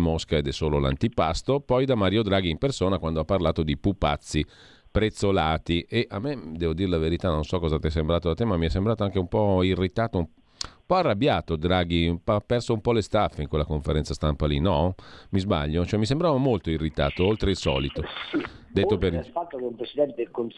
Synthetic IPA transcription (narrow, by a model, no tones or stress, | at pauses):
moskaed̪ɛsːoːlola̰nt̪ipast̪opɔjd̪amaɾjod̪ɾaːɡiimpersoːnakwand̪oapːarlaːt̪od̪ipupːa̰t̪sːi | pɾet̪sːolaːt̪iʔeʔamːed̪ɛːvod̪iːɾelaveɾit̪anõnsɔkːɔːzat̪ɛjs̬embɾaːt̪od̪at̪emamːiɛsːembɾaːt̪oaŋk̟eumpɔirːit̪aːt̪oum | ummpɔarːabjaːt̪od̪ɾaːɡiapːɛrsoumpɔlest̪afːeiŋkwelːakoɱfeɾɛnsast̪ampalinɔmizba̰ʎːot͡ʃoɛmːisembɾavamolt̪oirːit̪a̰ːt̪oolt̪ɾeilsɔ̰ːlit̪oid̪eːopefat̪ːokeumpɾesid̪ɛnt̪eelkon